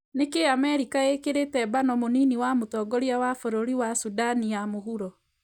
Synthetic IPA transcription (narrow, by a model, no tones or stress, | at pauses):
nekeamɛɾikaekeɾetɛbanɔmoniniwamotɔːɡɔɾiawafoɾoɾiwasudanijamoɦuɾɔ